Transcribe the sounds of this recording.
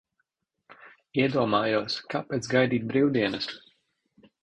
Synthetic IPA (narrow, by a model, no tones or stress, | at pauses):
iɛd̪uɔmaːjuːskapeːt̪sɡajd̪iːt̪̚bɾiwd̪iɛnɨs